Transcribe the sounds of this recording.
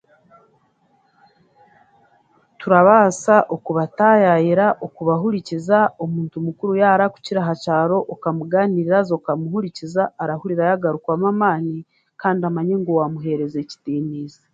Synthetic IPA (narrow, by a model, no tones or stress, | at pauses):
tuɾaβaːsaʔokuβatajajiɾaʔokuβaɦuɾicizaomuːntumukuɾujaːɾaku̥ciɾaɦacaːɾo̞ʔːkamuɡaniɾiɾazo̞kamuhuɾicizaːɾahuɾiɾajaɡaɾukwamamaːni | kaːndiamaɲe̞ŋɡowamuɦe̞ɾe̞ze̞ci̥tiːniːze